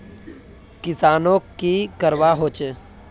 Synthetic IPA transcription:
kɪsaːnõkikəɾwaɦoːt͡ʃ

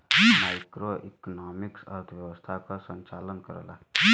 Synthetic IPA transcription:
maːjkɾoʔḭknamiksə̰ɾt̪ʰʋjəʋəst̪ʰakasənt͡ʃaːlənkəɾə̰la̰

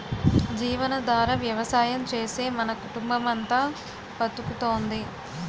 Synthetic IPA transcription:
d͡ʒiːʋɐnɐd̪ʋaːɾɐʋjɐʋɐsaːjɐmt͡ʃe̞ːse̞ːmɐnɐkuʈumbɐmɐnt̪aː | pɐt̪ːukut̪o̞ːnd̪i

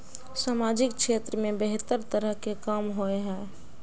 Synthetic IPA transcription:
saːmaːd͡ʒɪkkʃeːt̪ɾəmẽbeɦt̪əɾt̪əɾəɦkekaːmɦoeɦɛ̃ː

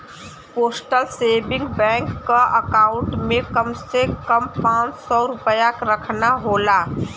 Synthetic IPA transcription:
poːsʈəlseːbɪ̃ŋɡbɛ̃ːŋkːaʔəkaːʊ̃ɳʈmẽkəmsekəmpãːt͡ʃsɔɾʊpəjakɾəkʰnaɦoːlaː

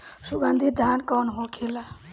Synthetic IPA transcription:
suɡand̪ʱid̪ʱankɔnɦõkʰela

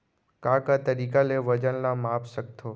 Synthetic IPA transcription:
kãːkat̪ɐɾiːkaleʋɐd͡ʒənlamaːpsək̚t̪ʰoː

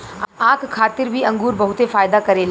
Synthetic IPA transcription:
ãːkʰkʰaːt̪ɪɾbʱiɐ̃ŋɡuːɾbɐɦʊt̪efaːjd̪akɐɾel

